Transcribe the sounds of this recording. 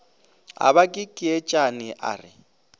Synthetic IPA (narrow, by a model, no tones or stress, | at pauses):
a̰βakʼɪkʼɪɛt͡ʃʼanɪʔa̰ːrɪ